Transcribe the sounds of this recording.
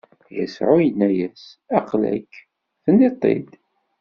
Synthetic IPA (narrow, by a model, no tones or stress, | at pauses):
jə̰sʕʊjənːæjæsæqlæ̰kː | θənːit̪ˤːḛd̪